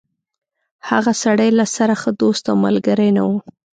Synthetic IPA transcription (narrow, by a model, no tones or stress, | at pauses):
haɣasaɽajlasaɾaxəd̪ost̪awma̰lɡaɾajnawu